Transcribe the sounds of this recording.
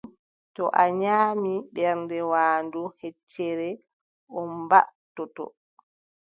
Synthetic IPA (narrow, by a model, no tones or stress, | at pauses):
tɔʔaɲaːmiɓɛɾndɛwaːndɔhɛt͡ʃːɛɾɛ | ɔmbaʔtɔtɔ̰